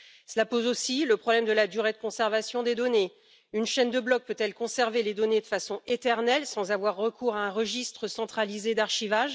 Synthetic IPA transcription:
səlapozosiləpχɔblɛmd̪əlad̪yʁed̪əkɔ̃sɛʁvasjɔ̃d̪ed̪ɔne | ynʃɛnd̪əblɔk̚pøt̪ɛlkɔ̃sɛʁveled̪ɔned̪əfasɔ̃et̪ɛʁnɛlsɑ̃zavwaʁːəkuʁaɛ̃ʁəʒist̪χəsɑ̃t̪χalized̪aʁʃivaʒ

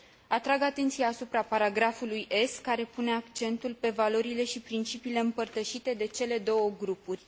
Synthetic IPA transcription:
at̪ɾaɡat̪e̞nt̪sijaːsupɾapaɾaɡɾafulujʔe̞skaɾe̞pune̞akt͡ʃe̞nt̪ulpe̞valo̞ɾile̞ʃipɾint͡ʃipiːle̞ɨmpərt̪əʃit̪e̞d̪e̞t͡ʃe̞le̞d̪o̞wəɡɾupurʲ

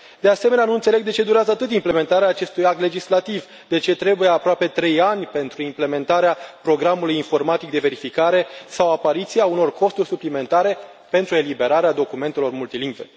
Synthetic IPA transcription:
d̪e̞ase̞me̞neanuɨnt̪sele̞ɡ̚d̪e̞t͡ʃe̞d̪uɾeazəat̪ɨt̪̬imple̞me̞nt̪aɾeaːt͡ʃe̞st̪ujak̚t̪le̞d͡ʒislat̪iv | d̪e̞t͡ʃe̞t̪ɾe̞bujeapɾoape̞t̪ɾe̞janʲpe̞nt̪ɾuimple̞me̞nt̪aɾeapɾo̞ɡɾamulujinfo̞rmat̪ik̚d̪e̞ve̞ɾifikaɾe̞sawapaɾit̪siauno̞rko̞st̪urʲsuplime̞nt̪aɾe̞ | pe̞nt̪ɾue̞libe̞ɾaɾead̪o̞kume̞nt̪e̞lo̞rmult̪iliŋɡve

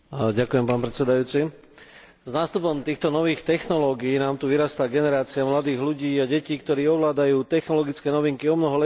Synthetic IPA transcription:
ɟakujɛmpaːnpɾɛt͡sɛd̪ajuːt͡si | znaːst̪upɔmt̪iːxt̪ɔnɔʋiːxt̪ɛxnɔlɔːɡiːnaːmt̪uʋiɾast̪aɡɛnɛɾaːt͡siamlad̪iːɣluɟiːaɟɛciːkt̪ɔɾiːɔʋlaːd̪ajuːt̪ɛxnɔlɔɡit͡skɛnɔʋiŋkiɔmnɔɦɔlɛ

